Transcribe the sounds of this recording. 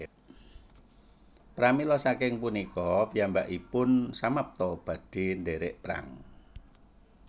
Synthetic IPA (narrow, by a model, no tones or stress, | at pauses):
pɾamilɔsakɪŋpunikɔpijambaʔipʊnsamap̚t̪ɔb̥a̤d̥i̤ndeɾɪʔpɾa̰ŋ